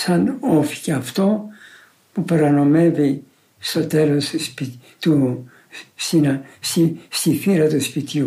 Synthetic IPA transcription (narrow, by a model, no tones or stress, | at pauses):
sɐnofi̥ceɐft̪o̞ | pupeɾɐno̞me̞vi | st̪o̞t̪e̞lo̞st̪spi | t̪u | st̪inɐst̪ist̪iθiɾɐt̪uspit̪ʝu